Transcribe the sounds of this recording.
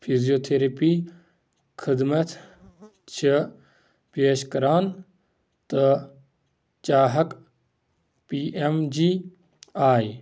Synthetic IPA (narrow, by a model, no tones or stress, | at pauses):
pʰizijoːt̪ʰeɾɐpiː | kʰɪd̪mɐt̪ʰ | t͡ʃʰɐ | peːʃkɐɾaːn | t̪ɐ | t͡ʃaːɦɐk | piːemd͡ʒiː | aːj